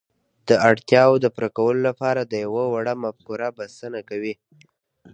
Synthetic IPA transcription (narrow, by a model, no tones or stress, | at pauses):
d̪̥əaɽt̪jɑwod̪əpɾakawəlolapɑɾad̪əjawawaɽamafkuɾabasənakawi